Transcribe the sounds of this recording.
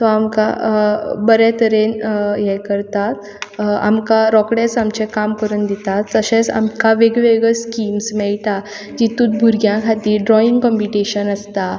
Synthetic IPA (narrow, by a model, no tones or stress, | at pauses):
t̪ɔamka | bəɾɛt̪əɾenjɛkəɾt̪at̪̚ | a̰mkaɾɔkɽẽt͡samt͡ɕẽkamkəɾuːnd̪it̪at̪təɕẽsa̰mkaʋeɡʋeɡəskimsmɛɭʈ̪a | d͡ʑit̪uːt̪̚bʱuɾɡjãkʰat̪iːɾɖɾɔiŋɡkɔmpiʈeɕənəst̪a